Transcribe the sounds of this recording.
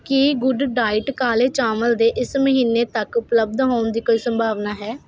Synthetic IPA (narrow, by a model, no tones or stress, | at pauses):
kiɡʊɖɖaːɪʈkaːleːt͡ʃaːməld̪eːʔɪsməɦiːneːt̪əkʊpləb̚d̪ɦoːnd̪iːkoːiːsəmbʱaːʋnaːɦɛː